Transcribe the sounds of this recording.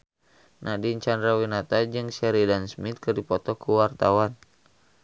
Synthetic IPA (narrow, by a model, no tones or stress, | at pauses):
nʔahdiɲt͡ʃandɾawinat̪ad͡ʒɨŋsɛɾidansmit̪̚kɨrdipɔt̪ɔkuwart̪awan